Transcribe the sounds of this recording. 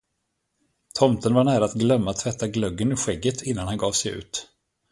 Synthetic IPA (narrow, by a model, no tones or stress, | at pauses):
t̪ʰɔmt̪ənvaɳæːɾaːt̪ɡlœmːat̪ʰːvɛt̪ʰːaɡlœɡːənɵɧɛɡːət̪ʰɪnːanhanɡɑːvsɛjʉ̟̰ːt̪